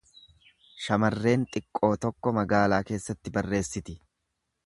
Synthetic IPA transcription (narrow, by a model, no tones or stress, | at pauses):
ʃɐmɐrːe̞ːnt̪ʼɪkʼːo̞ːt̪ɔkːɔmɐɡaːlaːke̞ːsːɐt̪ːɪbɐrːe̞ːsːɪt̪ɪ